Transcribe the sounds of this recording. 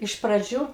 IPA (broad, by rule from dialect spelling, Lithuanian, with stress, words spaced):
ɪʃ prɐˈd͡ʒʲuː